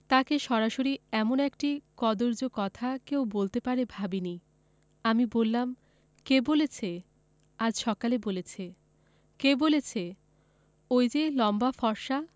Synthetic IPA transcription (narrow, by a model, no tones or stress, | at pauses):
t̪akeʃɔɾaʃoɾiɛmonek̚ʈikɔd̪oɾd͡ʑokɔt̪ʰakewbolt̪epaɾebʱabini | amibolːam | kebolet͡ɕʰe | ad͡ʑʃɔkalebolet͡ɕʰe | kebolet͡ɕʰe | ojd͡ʑelɔmbafɔɾʃa